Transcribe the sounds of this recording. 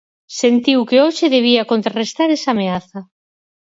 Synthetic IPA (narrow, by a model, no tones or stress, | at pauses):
sent̪iwkeoʃɪðeβ̞iakont̪ɾarest̪aɾesameaθɐ